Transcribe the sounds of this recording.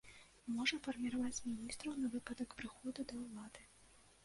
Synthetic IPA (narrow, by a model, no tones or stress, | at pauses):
mɔʐɐfɐrmʲiɾavat͡sʲmʲinʲist̪ɾɐwnɐvɨpɐd̪ɐkpɾɨxɔd̪ud̪ɐwlˠad̪ɨ